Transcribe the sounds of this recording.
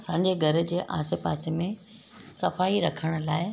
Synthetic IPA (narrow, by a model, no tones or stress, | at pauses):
sãːɲd͡ʑeɡʱɐɾə̆d͡ʑeːʔa̰ːsepa̰ːsemẽ | sɐfaːiɾɐkʰəɽ̃ʊ̆laːɪ